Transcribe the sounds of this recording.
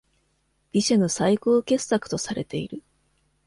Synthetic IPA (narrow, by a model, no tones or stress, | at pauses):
b̥ʲiɕanosaikoːke̞sːakɯ̟̥t̪o̞saɾe̞̰t̪e̞iɾɯ̟